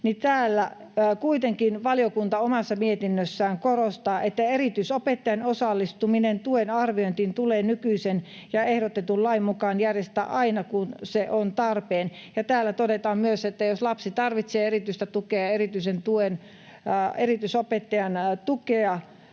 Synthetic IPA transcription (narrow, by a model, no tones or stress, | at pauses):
nit̪æːlːæ | kuit̪eŋkinʋɑliokunt̪ɑomɑsːɑmiet̪inːøsːæːŋkorost̪ɑːʔet̪ːæerit̪yisopet̪ːɑjɑnosɑlːist̪uminent̪uenɑrʋioint̪int̪uleːnykyisen | jɑehdot̪et̪ullɑimːukɑːnjærjest̪æ̰ːʔɑinɑkunseʔont̪ɑrpeːn | jɑt̪æːlːæt̪odet̪ɑːmmyøset̪ːæjoslɑpsit̪ɑrʋit̪seːerit̪yist̪æt̪ukeɑerit̪yisent̪uen | erit̪ysopet̪ːɑjɑnt̪ukeɑ